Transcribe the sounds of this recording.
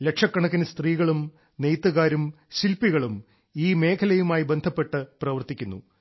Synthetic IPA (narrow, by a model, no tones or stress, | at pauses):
le̞kʂɐkːɐɳɐkːinɨst̪riːɣɐɭum | nejt̪ːuɣaːɾum | ɕilpiɣɐɭum | iːme̞ːkʰɐlɐjumaːjibe̞nd̪ʱɐpːe̞ʈːɨprɐʋɐrt̪ikʲːunːṵ